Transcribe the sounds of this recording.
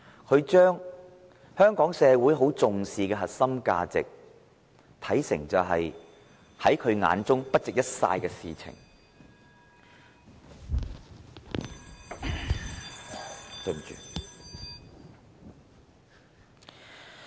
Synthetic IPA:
kʰɵ˨˧ɥt͡ʃœː˥ŋ | hœː˥ŋkɔː˨˥ŋsɛː˨˧wuː˨˥jɦo˨˥wt͡sʊ˨ŋsiː˨kɛː˧ɦɐ˨t̚sɐ˥mka̰ː˧t͡sɪ̰˨k̚ | t̪ʰɐ˨˥jsɪ̰˨˩ŋt͡sɐ˨wɦɐ˨j | hɐ˨˥jkʰɵ˨˧ɥŋa̰ː˨˥nt͡sʊ˥ŋpɐ˥t̚t͡sɪ˨k̚jɐ˥t̚sa̰ː˧jkɛː˧siː˨t͡sʰɪ̰˨˩ŋ | tɐ˧m̩˨t͡ʃy̰ː˨

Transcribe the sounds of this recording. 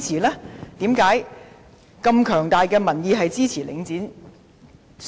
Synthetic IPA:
t͡sʰiː˨˩lɛː˥t̪iː˨˥mkaː˨˥j | kɐ˧mkʰœː˨˩ŋt̪aː˨jkɛː˧mɐ˨˩njiː˨˧ɦɐ˨jt͡siː˥t͡sʰiː˨˩lɪ̰˨˥ŋt͡siː˨˥n | s

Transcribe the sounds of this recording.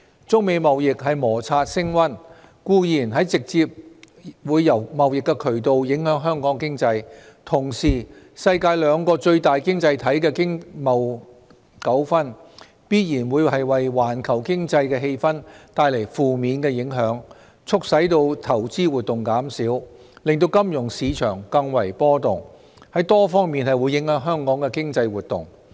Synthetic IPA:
t͡sʊ˥k̚me˨˧jmɐ˨wjɪ˨k̚hɐ˨jmɔː˨˩t͡sʰaː˧t̚sɪ˥ŋwɐ˥n | kuː˧jiː˨˩nɦɐ˨˥jt͡sɪ˨k̚t͡siː˧p̚ | wuː˨˧jːɐ˨˩wmɐ˨wjɪ˨kːɛ˧kʰɵ˨˩ɥt̪o˨˧wjɪ˨˥ŋɦœː˨˥ŋɦœː˥ŋkɔː˨˥ŋkɪ˥ŋt͡sɐ˧jt̪ʰʊ˨˩ŋsiː˨˩ | sɐ˧jkaː˧jlœː˨˧˥ŋkɔː˧t͡ʃɵ˧ɥt̪aː˨jkɪ˥ŋt͡sɐ˧jt̪ʰɐ˨˥jkɛː˧kɪ˥ŋmɐ˨w | kɐ˨˥wfɐ˥n | piː˥t̚jiː˨˩nwuː˨˧jhɐ˨jwɐ˨jwaː˨˩nkʰɐ˨˩wkɪ˥ŋt͡sɐ˧jkɛː˧ɦe˧jfɐ˥nt̪aː˧jle˨˩jfuː˨miː˨˧nkɛː˧jɪ˨˥ŋɦœː˨˥ŋ | t͡sʰʊ˥k̚sɐ˨˥jt̪o˧wt̪ʰɐ˨˩wt͡siː˥wuː˨t̪ːʊ˨ŋkaː˨˥msiː˨˥w | lɪ˨ŋt̪o˧wkɐ˥mjʊ˨˩ŋsiː˨˧t͡ʃʰœː˨˩ŋkɐ˧ŋwɐ˨˩jpɔː˥t̪ʊ˨ŋ | hɐ˨˥jt̪ɔː˥fɔː˥ŋmiː˨nhɐ˨jwu˨˧˥jɪ˨˥ŋhœː˨˥ŋɦœː˥ŋkɔː˨˥ŋkɛː˧kɪ˥ŋt͡sɐ˧jwuː˨t̚t̪ːʊ̰˨˩ŋ

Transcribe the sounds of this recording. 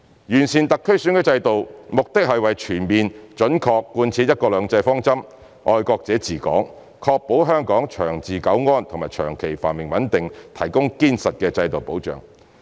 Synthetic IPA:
jyː˨˩nsʰiː˨˩nt̪ɐ˨kʰːɵ˥ɥsyː˨˥nkɛː˧t͡sɐ˧jt̪o˨wmʊ˨k̚t̪ɪ˥k̚hɐ˨jwɐ˨jt͡ʃʰyː˨˩nmiː˨nt͡ʃɵ˨˥nkʰɔː˧kːuː˧nt͡sʰiː˨˥jɐ˥t̚kɔː˧lœː˨˧ŋt͡sɐ˧jfɔː˥ŋt͡sɐ˥m | ʔɔː˧jkɔː˧k̚t͡sɛː˨˥t͡siː˨˩kɔ̰ː˨˥ŋ | kʰɔː˧k̚po˨˥wɦœː˥ŋkɔː˨˥ŋt͡ʃʰœː˨˩ŋt͡siː˨kɐ˨˥wŋɔː˥nt̪ʰʊ˨ŋmaː˨jt͡ʃʰœ̰ː˨˩ŋkʰe˨˩jfaː˨˩nmɪ˨ŋwɐ˨˥nt̪ɪ˨ŋt̪ʰɐ˨˩jkʊ˥ŋkiː˥nsɐ˨t̚kɛː˧t͡sɐ˧jt̪o˨wpo˨˥wt͡ʃœ̰ː˨ŋ

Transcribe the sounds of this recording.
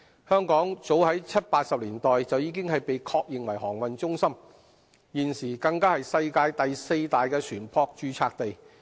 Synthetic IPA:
hœː˥ŋkɔː˨˥ŋt͡so˨˥whɐ˨˥jt͡sʰɐ˥t̚paː˧t̚sɐ˨p̚liː˨˩nt̪ɔː˨jt͡sɐ˨wjiː˧kɪ˥ŋhɐ˨jpe˨jkʰɔː˧k̚jɪ˨ŋwɐ˨˩jɦɔː˨˩ŋwɐ˨nt͡ʃʊ˥ŋsɐ˥m | jiː˨nsiː˨˩kɐ˧ŋkaː˥hɐ˨jsɐ˧jkaː˧jt̪ɐ˨jse˧jt̪aː˨jkɛː˧sʰyː˨˩npʰɔː˧k̚t͡ʃyː˨˧t͡sʰaː˧k̚t̪e˨j

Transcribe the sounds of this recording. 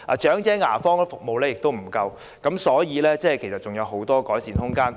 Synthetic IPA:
ʔa̰ː˨t͡ʃœː˨˥ŋt͡sɛː˨˥ŋaː˨˩fɔː˥ŋ˥fʊ˨k̚mo˨wlɛː˥jɪ˨k̚t̪o˥wm̩˨˩kɐ˧w | kɐ˨˥msɔː˨˥jiː˨˧lɛː˥t͡sɛː˥˩kʰe˨˩sɐ˨t̚t͡ʃʊ˨ŋjɐ˨˧wɦo˨˥wt̪ɔː˥kɔː˨˥jsiː˨nhʊ˥ŋkaː˥n

